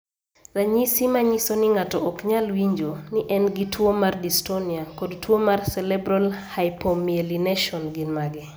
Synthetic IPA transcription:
raɲisimaɲisonɪŋatɔɔkɲalwiɲd͡ʒonɪʔɛnɡitʰwomardistoniakodtwomarsɛlɛbɾalhajpomielinɛʃɔnɡinmaɡɛ

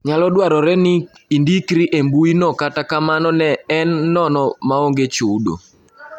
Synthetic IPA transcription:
ɲalɔdwaɾɔɾɛnɪ | indikɾiʔembuinɔkatakamanɔnɛːnːɔnɔmaoŋɡet͡ʃudo̰

